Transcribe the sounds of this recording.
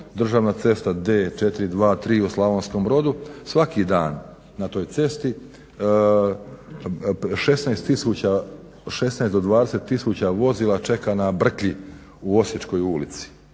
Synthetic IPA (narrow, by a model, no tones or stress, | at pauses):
d̪r̩ʒaːʋnat̪se̞st̪ad̪eːt͡ʃet̪ɾid̪ʋaːt̪ɾiːuslˠaʋonskombɾo̞d̪usʋakid̪aːnː | at̪o̞ːjt̪se̞st̪i | ʃe̞snaest̪ːisuːt͡ɕa | ʃe̞snaesd̪o̞d̪ʋaːd̪eset̪ːisuːt͡ɕaʋo̞ziːlˠat͡ʃe̞kanabr̩kli | uo̞sjet͡ʃko̞julit̪si̥